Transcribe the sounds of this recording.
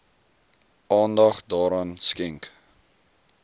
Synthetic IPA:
ʔɑːndɐχdɑːɾɑːnskɛŋk

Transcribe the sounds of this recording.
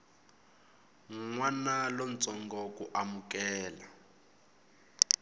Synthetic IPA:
ŋwanalɔn̩t͡sʼɔŋɡɔkuʔamukɛːla

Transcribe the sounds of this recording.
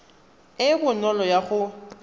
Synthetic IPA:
ɪbʊnɔlɔjaɣʊ

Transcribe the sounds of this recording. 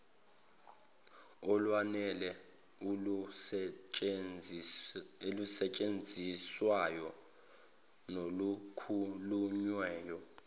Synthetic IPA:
ɔlwanɛlɛ | u | elusɛt͡ʃʼend͡zʱiswajɔ | nolukʰuluɲwɛːjɔ

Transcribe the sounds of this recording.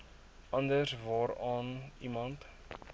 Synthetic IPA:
ɐndəsvɑːɾɑːnimɐnt

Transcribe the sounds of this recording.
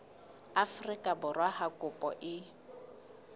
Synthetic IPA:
afrikʼabʊrwahakʼʊpʼɔ̰ʔɪ

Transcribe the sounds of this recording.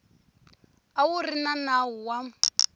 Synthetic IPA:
awurinanaɦuwam

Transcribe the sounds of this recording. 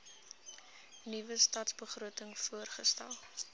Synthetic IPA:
nivəstɑːtsbəχruətəŋfuərχəstælˠ

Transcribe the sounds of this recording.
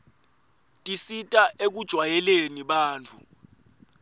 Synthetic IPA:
tʼisitʼaʔek̬ud̥ʒ̥ʱwajɛleniɓaːnt͡fʰu

